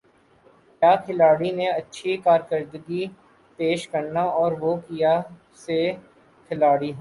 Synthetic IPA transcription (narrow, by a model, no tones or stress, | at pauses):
kaːkʰɪlaːɽinẽɐtːʃʰikaːɾkəɾd̪əɡi | peːʃkəɾnaɔːɾʋokija | se | kʰɪlaːɽiɦ